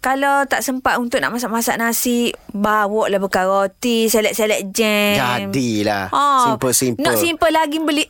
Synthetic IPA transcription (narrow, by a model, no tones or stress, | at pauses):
kalawt̪aʔsəmpat̪unt̪ʊʔna̰ʔmasaʔmasaʔnasibawɔʔlahbəkaɾot̪isɛlɛʔsɛlɛʔd͡ʒɛd͡ʒamdilaɔsipəsimpnɔʔsimpəlaɡimbəli